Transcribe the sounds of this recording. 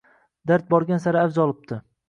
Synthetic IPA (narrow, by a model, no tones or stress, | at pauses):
d̪aɾt̪̚bɒɾɡʲansaɾɪavzɒlˠɪp̚t̪ʰɪ